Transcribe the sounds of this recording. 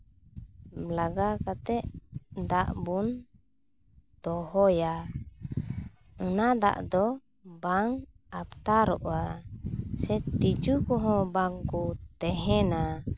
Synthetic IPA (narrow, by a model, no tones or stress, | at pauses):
blaɡakat̪ɛʔd̪aʔbun | t̪ɔhɔja | unad̪a̰ʔd̪ɔ | baŋ | ap̚t̪aɾɔʔa | sɛt̪id͡ʒukɔɦɔ̃baŋkut̪ɛɦɛna